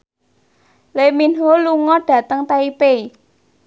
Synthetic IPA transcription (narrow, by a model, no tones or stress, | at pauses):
leminɦoluŋɔɖ̥ä̤t̪əŋt̪aipei